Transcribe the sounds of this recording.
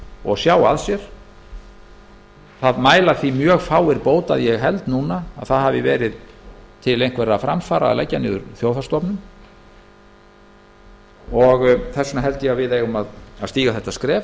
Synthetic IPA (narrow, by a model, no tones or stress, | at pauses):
ɔɣsjaːwaðsjɛɾ̥ | θaðmaːjlaθimjœːɣfaːwɪɾpoːwt̪a̰ðjɛɣɦɛl̪t̪nuːna̰ːðθaðhavɪvɛːɾɪðt̪ʰɪlejnŋkvɛɾafɾamfaːɾaa̰lɛ̰jcːanɪ̰ðʏɾθjoːwθast̪ɔpnʏm | ɔɣθɛsːʏnaɦɛlt̪ɪjɛavɪðejɣʏmaðaðst̪iːɣaθɛht̪askɾɛː